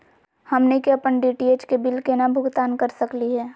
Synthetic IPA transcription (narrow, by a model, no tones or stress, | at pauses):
hɐmnekeɐpəɳɖiːʈieːt͡ʃkebɪlkenabʱʊɡt̪aːnkəɾsəkliɦɛː